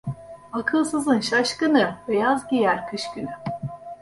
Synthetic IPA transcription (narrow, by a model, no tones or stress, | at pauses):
akʰɯlˠsɯzɯnʃaʃkɯnɯbejazɟijæɾkʰɯʃkyny